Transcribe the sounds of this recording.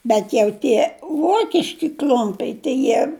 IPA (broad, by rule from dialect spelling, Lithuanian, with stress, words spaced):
bʲɛt jɛʊ ˈtʲiɛ ˈʋoːkʲɪʃʲkʲɪ ˈklʲʊmʲpʲɛɪ tɐɪ ˈjiɛ